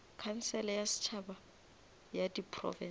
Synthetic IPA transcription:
kʰan̩sɛlɛjasɪ̥t͡ʃʰaba | jadipʰrɔ̰vɛ

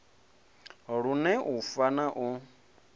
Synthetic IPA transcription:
ɺunɛʔufanaʔu

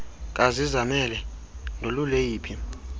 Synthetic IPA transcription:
k̬ʼazizamɛlɛ | nʱolulejiːpʰi

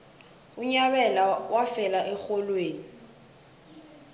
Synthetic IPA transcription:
ʊɲaβɛlawafɛlaʔɛk͡xɔlweːni

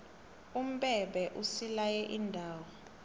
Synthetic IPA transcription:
um̩ɓɛɓɛʔusilajɛʔindʱaːwɔ

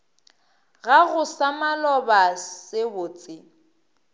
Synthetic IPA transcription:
ɣaɣʊsamalɔbasɪbʊːt͡sʼɪ

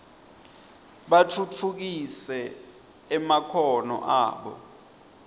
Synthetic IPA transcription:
ɓat͡fʰut͡fʰuk̬isɛ | ɛmakʰɔnɔ̰ʔa̰ːɓɔ̰

